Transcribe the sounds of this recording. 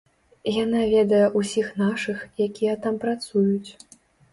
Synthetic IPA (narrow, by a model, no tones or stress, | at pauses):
janavʲɛd̪ɐjɛʔusʲixnaʂɨxjakʲijɛt̪ampɾat̪sujut͡sʲ